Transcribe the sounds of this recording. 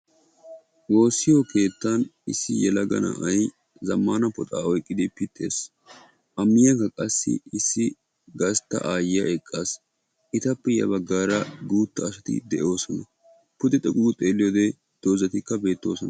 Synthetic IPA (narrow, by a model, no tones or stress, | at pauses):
wo̞ːsːɪjɔke̞ːt̪ːɐnɪsːɪjɛlɐɡɐ̰nɐ̰ʔɐj | zɐmːaːnɐpɔt̪ʼa̰ːɔjkʼːɪd̪ɪpɪt̪ʰːḛːs | ʔɐmːɪjɐŋkɐkʼɐsːɪ̰ɪsːɪ | ɡɐst̪ːɐ̰ʔaːjɪjɐʔɛkʼːaːs | ʔɪt̪ɐpːɛjɐ̰bɐɡːaːɾɐɡuːt̪ːɐːsɐt̪ɪ̰d̪ɛʔo̞ːsɔnɐ | pʊd̪ɛt̪ʼɔkʼuɡt̪ʼe̞ːlːɪjod̪ɛ | d̪̥oːzɐt̪ɪkːɐbe̞ːt̪ːo̞ːsɔnɐ